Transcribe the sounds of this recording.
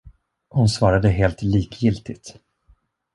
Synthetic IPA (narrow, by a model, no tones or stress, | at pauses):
hʊnsvɑːɾad̪əɦeːlt̪liːkjɪlt̪ɪt̪